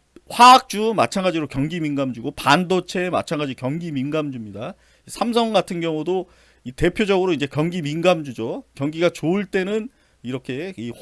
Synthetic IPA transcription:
ɸwaːk̚t͡ɕ͈umat͡ɕʰaŋɡad͡ʑiɾokjʌŋɡiminɡamd͡ʑuɡopandot͡ɕʰe̞ma̰t͡ɕʰaŋɡad͡ʑikjʌŋɡiminɡamd͡ʑumɲida | isʰamsʰʌŋɡatʰɯnɡjʌŋudo | ite̞pʰjod͡ʑʌɡɯɾoind͡ʑe̞kjʌŋɡiminɡamd͡ʑud͡ʑokjʌŋɡiɡat͡ɕoɯɭt͈e̞nɯn | iɾʌkʰe̞i

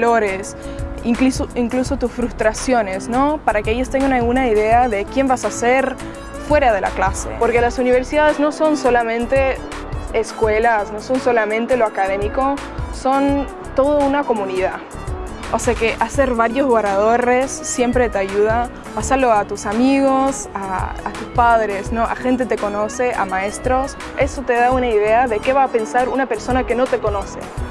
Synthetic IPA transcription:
lo̞ɾes | iŋklusoiŋkluso̞t̪usfɾust̪ɾasjo̞ne̞sno̞paɾakeeʝost̪eŋɡaŋnaɣunaiðe̞aðe̞kje̞mbasaseɾ | fwe̞ɾað̞e̞la̰klasḛpo̞ɾke̞lasuniβ̞e̞ɾsiðaðe̞zno̞so̞nso̞lamẽ̞nt̪e̞ː | skwe̞lasno̞so̞nso̞lamẽnt̪e̞loakaðe̞miko̞ | so̞n | t̪o̞ð̞ounako̞mũnið̞a | oseake̞ʔase̞ɾβaɾjo̞zβorað̞o̞re̞sːje̞mpɾe̞t̪eaʝuð̞a | pasalo̞at̪usamiɣos | aːt̪uspaðɾe̞sno̞ʔa̰xe̞nt̪̬e̞t̪e̞ko̞no̞se̞ʔamae̞st̪ɾo̞s | e̞so̞t̪e̞ð̞aunaiðe̞aðe̞ke̞βaːpe̞nsaɾunape̞ɾso̞nake̞no̞t̪e̞ko̞no̞se̞̰

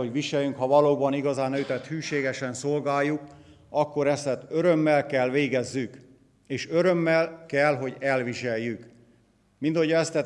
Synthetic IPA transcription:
oʋiʃɛjyŋkhɒvɒloːbɒniɡɒzaːnøyt̪ɛt̪hyːʃeːɡɛʃɛnso̞lɡaːjːuk | ɒkːo̞ɾɛst̪ɛt̪øɾø̞mːɛlkɛlʋeːɡɛzːyk | eːʃø̞ɾø̞mːɛlkɛlɦo̞ɟɛlʋiʃɛjːyk | mint̪ojɒɛst̪ɛ

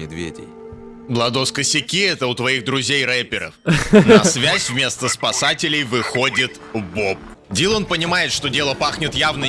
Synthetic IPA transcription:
mʲɪd̪vʲḛdʲɪ̰j | blˠɐd̪oskəsʲɪkʲiɛt̪əʊt̪vɐiɣd̪ɾʊzʲejɾɛpʲɪɾə̰fnsvʲæsʲvmʲe̞st̪əspɐsatʲɪlʲɪjvɨxo̞dʲɪt̪ | bop̚ | dʲilˠo̞npənʲɪmajɪt̪ʂt̪o̞dʲe̞lˠəpaxnʲɪt̪javnə

